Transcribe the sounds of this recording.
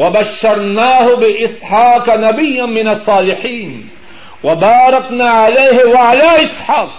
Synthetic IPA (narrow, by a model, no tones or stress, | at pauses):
wabaʃːɑɾˤnaːhʊbɪʔɪsˤħɑːqnabɪjːanmɪnɑsˤːɑːlɪħiːn | wabɑːɾˤɑqnaːʕalajːhwaʕalaːʔɪsˤħɑːq